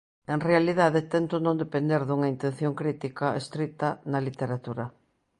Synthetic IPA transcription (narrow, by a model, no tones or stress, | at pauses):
eŋrealiðaðet̪ent̪onõnd̪epend̪eɾðuŋɐint̪ẽn̟θjoŋkɾit̪ikɐest̪ɾit̪ɐnɐlit̪eɾat̪uɾɐ